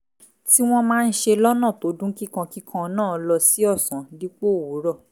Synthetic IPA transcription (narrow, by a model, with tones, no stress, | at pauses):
ti˦w̃ɔ̃˦mãː˦˧n̩˦ʃe˧lɔ˦nã˦˨to˨˦dũ˦ki˦kã˧ki˦kʰã˧nãː˦˨lɔ˧si˨˦ɔ˦˨sã˨di˦k͡po˦˨wu˨˦ɾɔ˦˨